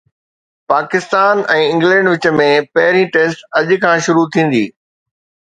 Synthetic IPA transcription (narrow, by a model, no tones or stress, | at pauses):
paːkɪst̪aːnɛ̃ːɪ̃ŋɡlɛ̃ɳɖʋɪt͡ɕmẽpɐɦɪɾĩʈeːsʈɐʄkʰãːʃʊɾut̪ʰĩːn̆d̪iː